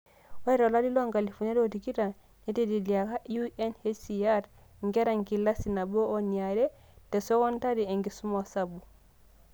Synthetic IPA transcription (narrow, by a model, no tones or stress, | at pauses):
waɾɔlalilɔŋɡalifunɛdotikiɾa | nɛtidilijakauʔɛnhesiaɾ | ŋɡɛɾaŋkilːasinabɔonijaɾɛ | tɛsɔwɔntadiɛŋɡisumɔsabu